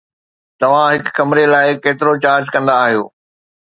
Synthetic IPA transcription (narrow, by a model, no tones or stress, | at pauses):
t̪ɐʋ̤ãɦɪkkɐmɾelaːɪkeːt̪ɪɾot͡ɕaːɾd͡ʑkɐ̃nd̪aːɦijo̰ː